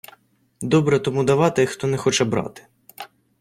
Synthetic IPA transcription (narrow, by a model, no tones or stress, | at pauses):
d̪ɔbɾɛt̪ɔmud̪ɐʋɑt̪ɪxt̪ɔnɛxɔt͡ʃɛbɾɑ̰t̪ɪ̥